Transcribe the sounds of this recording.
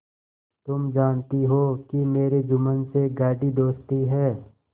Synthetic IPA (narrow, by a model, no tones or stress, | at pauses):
t̪ʊmd͡ʒaːnt̪iɦoːkimeːɾed͡ʒʊmənseɡaːɖid̪oːst̪iɦɛː